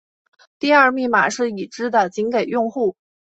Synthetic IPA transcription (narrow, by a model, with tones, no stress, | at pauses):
t̪i˥˧ɐ˥˧mi˥˩ma̰˨˩ʂɻ̩˥˩i˨˩ʈ͡ʂɻ̩˥d̪ə˨t͡ɕi˧˥nke˨˩ɪjʊ˥˧ŋxu˥˩